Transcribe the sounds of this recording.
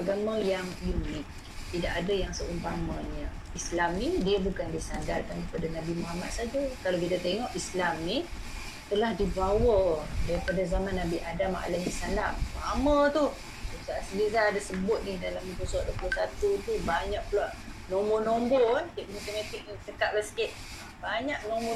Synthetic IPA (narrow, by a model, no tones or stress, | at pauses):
aɡamə̃jaŋlinɪt̪̚ | t̪idaʔadajaŋsəʔumpamãɲə | islamnidiəbukandisanɡarkankəpadanabimoɦamat̪̚sad͡ʒakalaokit̪at̪eŋɔʔislamni | t̪əlahdibawədaɾipadazamanːabiʔadama̰ʔa̰laɲəsala̰mamət̪u | usaasilizaːdasəbʊt̪̚nɪdalamit̪usaʔ̚doplusat̪ut̪ubaɲaʔ̚pəlaʔnomonomboankiʔ̚mũt̪əmat̪ɪk̚nsəkaʔ̚lasə̥kɪʔ̪̚ | baɲak̚nõmo